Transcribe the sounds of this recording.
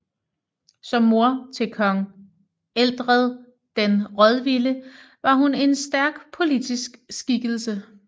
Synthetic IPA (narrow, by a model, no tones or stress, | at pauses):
sɒ̽mːo̝ɐt͡sʰe̝lkʰɒ̽ŋ | eld̥ʁəð̞ˠ | d̥enʁɒð̞ˠʋilə | ʋɑ̈ɦune̝nsd̥æɐɡ̥pʰo̝lid̥isɡ̥sɡ̥iɡ̥əl̩sə